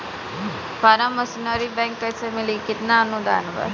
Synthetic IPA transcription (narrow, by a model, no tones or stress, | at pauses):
paɾɐmːəsinaɾibɛ̃ŋkːəjsemilikit̪nanud̪ʱa̰ːnəba̰ːd̪